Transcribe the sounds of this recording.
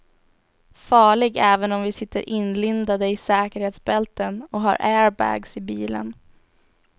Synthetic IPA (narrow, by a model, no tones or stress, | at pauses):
fɑːɭɪɡɛːvənɔmvɪsɪt̪ːəɾʔɪnlʏnd̪ad̪əɪsɛːkəɾheːt̪sbɛlt̪ənɔɦa̰ɾʔɛːɾbæ̰ːɡsɪbiːlə̰n